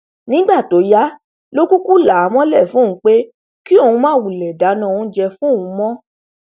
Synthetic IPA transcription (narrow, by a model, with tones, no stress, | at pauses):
nĩ˦ɡ͡ba˦˨to˨˦ja˦ | lo˦ku˦ku˦la˨˦mɔ̃˦lɛ˦˨fũ˦˨ũ˨˦k͡pe˦ | ki˦o˦˨ũ˧mãː˦˨wu˨lɛ˨da˨˦nã˨˦˨ũ˨˦d͡ʒɛ˧fũ˦˨ũ˧˦mɔ̃˦